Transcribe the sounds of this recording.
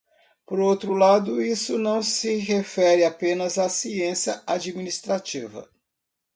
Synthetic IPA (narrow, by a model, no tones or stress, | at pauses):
poɾowt̪ɾʊlad̪ʊisʊnɐ̃w̃sɪɦefɛɾɪapẽnɐzasiẽsjɐad͡ʒiminist̪ɾat͡ʃivɐ̰